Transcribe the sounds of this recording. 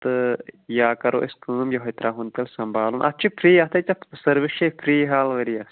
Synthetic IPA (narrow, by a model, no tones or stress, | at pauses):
t̪ɨjaːkɐɾo̰ʔiskɨːmjɐɦɐt̪ɾʔaːɦunt̪ɐlsɐmbʱaːlunʔɐ̰t͡ʃʰipʰɾiːɐt̪ʰɐt͡ʃɐsɐɾʋiʃepʰɾiːɦaːlʋɐɾijɐs